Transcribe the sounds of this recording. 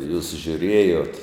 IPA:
juːs ʒʲʊˈrʲeːjoːt

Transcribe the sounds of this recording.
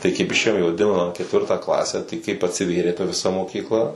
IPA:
tɐɪ kɐɪp ɪʃʲˈeːjoːm ɪ ʋɐˈdʲɪnɐmɑː kʲɛtʲˈʋʲɪrtɑː ˈklˠɑːsʲæː tɐɪ kɐɪp ɐtʲsʲɪˈʋʲeːrʲeː tɐ ʋʲɪˈsɐ moːkʲiːkˈlˠɐ

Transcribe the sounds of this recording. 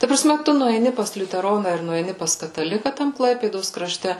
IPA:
tɐ prɐˈsʲmʲɛ ˈtʊ nʊɛɪˈnʲɪ pɐs lʲʊtʲɛˈroːnɐ ɪr nʊɛɪˈnʲɪ pɐs kɐtɐˈlʲɪkɐ ˈtɐm ˈklˠɐɪpʲeːdoːs krɐˈʃʲtʲɛ

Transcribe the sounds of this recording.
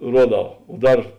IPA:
ˈruɔˌdɐʊ oː ˈdɐr

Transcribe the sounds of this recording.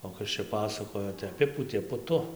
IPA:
oː ˈkɐs t͡ʃʲɛ ˈpɑːsɐkoːjoː tɐɪ ɐˈpʲɪpuːtʲeː pʊˈtʊ

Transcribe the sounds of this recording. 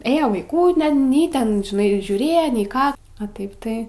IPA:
ˈeːjoː ʋɐɪˈkuː nʲɛn ˈnʲɛɪ ˈtʲɛn ʒʲɪˈnɐɪ ʒʲuːˈrʲeːjɛ nʲɛɪ ˈkɑː ɐ ˈtɐɪp ˈtɐɪ

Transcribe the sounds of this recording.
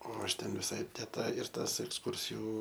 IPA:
oː ˈɐʃ ˈtʲɛn ʋʲɪˈsɐɪ tʲɛ ˈtɐ ɪr ˈtɐs ɛksˈkʊrʲsʲɪjʊ

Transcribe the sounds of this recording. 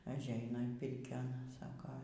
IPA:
ɐʒʲˈɛɪnɐ ɪn ˈpʲɪrʲkʲoːn ˈsɑːkoː

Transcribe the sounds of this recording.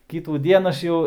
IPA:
kʲɪtuːˈdʲiɛn ɐʃ ˈjɛʊ

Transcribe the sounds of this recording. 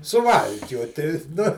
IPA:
sʊˈʋɐlʲkʲoːtʲɪ nʊ

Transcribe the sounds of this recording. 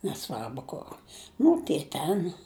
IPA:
nʲɛˈsʋɐrbʊ kʊr ˈnʊ tʲiɛ ˈtʲɛn

